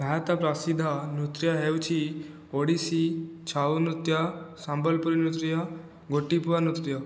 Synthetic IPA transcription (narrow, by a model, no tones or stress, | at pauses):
bʱat̪apɾasid̪ʱːanut̪ɾjaɦewt͡ɕi | oɽisit͡ɕʰaʋnut̪jasãmbəlpəɾinut̪ɾja | ɡoʈːipuʋanut̪ɾja